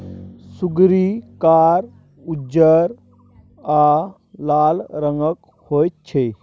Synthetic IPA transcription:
suɡɾikaːɾ | ud͡ʒəɾ | a | laːlɾəŋɡək | hojt̪̚t͡ʃʰe

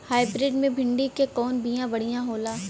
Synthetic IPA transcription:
haːɪbɾɪːɖmẽbʱɪ̃ɳɖikekɔːnbijãbɐɽ̤ijãɦoːlaː

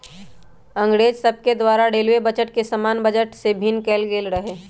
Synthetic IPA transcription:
ɐ̃ŋɡɽeːd͡ʒsɐb̚ked̪waːɾaɖeːlwebɐt͡ʃəʈkesəmaːnbəd͡ʒəʈsebʱɪnkeːlɡeːlɾəɦeː

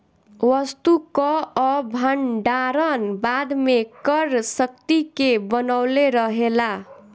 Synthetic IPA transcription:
wʌst̪ukʌʌbʱʌɳɖaɾʌnbad̪mekʌɾsʌk̚t̪ikebʌnawleɾʌɦela

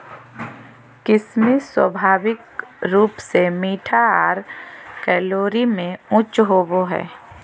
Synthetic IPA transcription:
kɪsmiswə̰bʱaːʋɪkɾuːpsemiːʈʰaaːɾkɛːloːɾimẽʊ̃t͡ʃɦoːboɦɛ̰ː

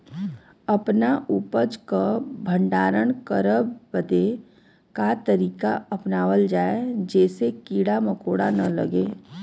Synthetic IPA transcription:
ɐpnaʔuːpəd͡ʒkabʱə̃ɳɖaːɾəɳ̃kəɾəbbəd̪e | kat̪əɾiːkaɐpnaːʋəld͡ʒaːed͡ʒɛːsekiːɽaməkoːɽanɐlɐ̰ɡeː

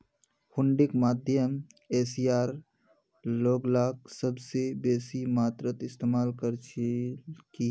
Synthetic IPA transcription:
hʊɳɖɪkmaːd̪ʱjəmesijaːɾ | loːɡlaːksəbsebeːsimaːt̪ɾət̪ɪst̪eːmaːlkəɾt͡ʃʰ | ki

